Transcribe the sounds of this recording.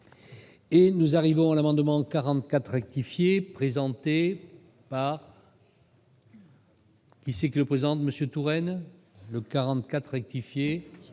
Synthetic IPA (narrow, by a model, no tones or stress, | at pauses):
enuzaʁivɔ̃alamɑ̃d̪mɑ̃kaʁɑ̃t̪kat̪χɛk̚t̪ifjepχezɑ̃t̪e | paʁ | kʲisɛkʲiləpχezɑ̃t̪məsjøt̪uʁɛn | ləkaʁɑ̃t̪kat̪χʁɛk̚t̪ifje